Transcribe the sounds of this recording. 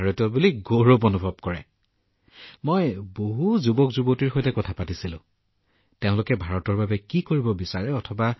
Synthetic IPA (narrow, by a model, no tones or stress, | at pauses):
aɹɔtɔbuliɡoɹopɔnubʱɔb̚kɔɹɛ̰ | mojboɦuzubɔkzubɔtiɹxojtɛkɔtʰapatisilʊ̰̃ | teʊ̃lʊkɛbʱaɹɔtɔɹbabɛkikoɹibɔbisaɹɛɔtʰɔba